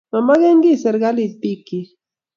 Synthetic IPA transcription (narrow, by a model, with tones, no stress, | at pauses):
mama˦ɣɛ˦ŋɡi˦sɛ˨ɾɡa˦li˨d̪̚pi˦ki˨